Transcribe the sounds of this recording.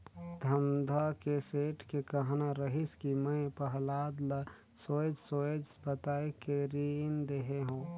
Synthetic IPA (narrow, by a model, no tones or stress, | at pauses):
d̪ʱəmd̪ʱakeseːʈʰkekəɦnaɾəɦiskimə̃pəɦlaːd̪la | soːd͡ʒsoːd͡ʒbət̪aːekeɾind̪eɦeɦũː